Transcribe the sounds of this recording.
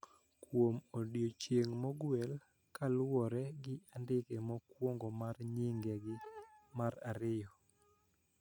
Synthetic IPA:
kwomodjot͡ʃjeŋmɔɡwɛl | kalwɔɾɛɡɪandɪkɛmɔkwoŋɡɔmarɲɪŋɡɛɡɪmaɾaɾɪjɔ

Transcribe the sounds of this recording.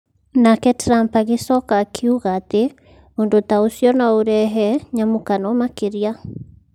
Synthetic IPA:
nakɛtɾampaɣesɔkakʰiuɣate | ondotaosjɔnaoɾɛɦɛɲamokanɔmakeɾia

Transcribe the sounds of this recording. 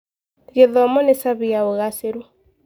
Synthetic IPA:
ɣeðɔmɔnesaβiaoɣaseɾu

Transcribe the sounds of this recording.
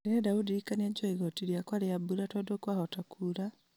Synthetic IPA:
ɾeedaudiikanieɟoiɣotiɾiakwalejabuɾatodokwahotakʰula

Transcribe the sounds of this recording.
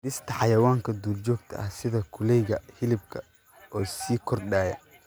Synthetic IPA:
dɪst̪ʰɐħɑjɐwaːŋkʰɐd̪uːld͡ʒɔːɡt̪ʰɐ̰ʔɐhsɪðɐkʰʊlɛjɣɐhɪlɪb̚kʰɐ | ʔɔːsiːkʰɔrɗaːjɐ

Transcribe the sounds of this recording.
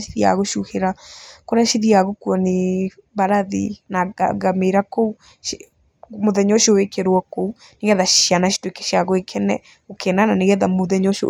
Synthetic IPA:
ʃiðia̰ɣoʃuheɾakoɾaʃiðiaɣokuɔne | βaɾaðḭnaɡameɾakou | moðɛɲɔʃiowekɛɾwɔkou | neɣɛðajanaʃi̥towekɛ̥ʃiaɣoekʰɛnɛ̰ | okʰɛnananeɣɛðamoðɛɲɔʃo̰

